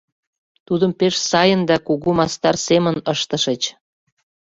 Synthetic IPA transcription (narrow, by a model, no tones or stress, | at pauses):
t̪ud̪əmpeʃsɑjənd̪ɑkuɣumɑst̪ɑrsemə̆nəʃt̪ə̆ʃət͡ɕ